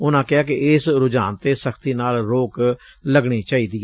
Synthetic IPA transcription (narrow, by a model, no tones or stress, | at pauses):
ʊnãːkɪaːkɪɪsɾʊd͡ʒaːnt̪eːsəkʰt̪iːnaːlɾoːk | ləɡɽiːt͡ʃaːiːd̪iːɛ